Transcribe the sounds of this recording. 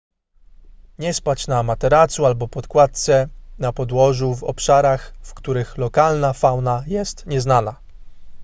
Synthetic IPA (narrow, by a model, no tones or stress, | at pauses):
ɲɛspat͡ɕnamat̪ɛɾat̪sualbɔpɔt̪kwat̪̚t̪sɛnapɔd̪wɔʐuvɔ̰pʂaɾaxfkt̪uɾɘxlɔkalnafawnajɛst̪ɲɛznana